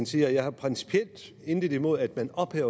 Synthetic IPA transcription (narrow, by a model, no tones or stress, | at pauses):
nsiːɐjɑ̈ɪhɑ̈pʰʁɛnsi̥pʰiel̰d̥ | e̝nd̥əðˠimo̝ð̞̰ˠæd̥mænɒ̽b̥hɛʊ̰ɐ